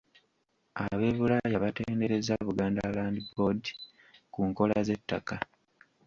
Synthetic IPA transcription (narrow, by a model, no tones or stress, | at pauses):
aβe̞ːβulajaβate̞ːnde̞ɾe̞zaβuɡaːndalaːndibo̞di | kuŋko̞laze̞tːaka